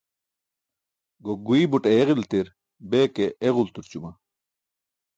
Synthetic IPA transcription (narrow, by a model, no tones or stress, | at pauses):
ɡoɡuibuʈeeʁilt̪iɾ | bekeʔːɣult̪uɾt͡ɕuma